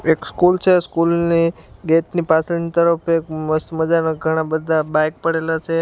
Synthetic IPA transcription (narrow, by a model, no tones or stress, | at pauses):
ekskult͡ɕʰeskulniɡeʈ̪nipat͡səɭint̪əɾəfekməst̪məd͡zanəɡʱəɽ̃abəd̪ʱːabajk̚pəɽelat͡ʃʰe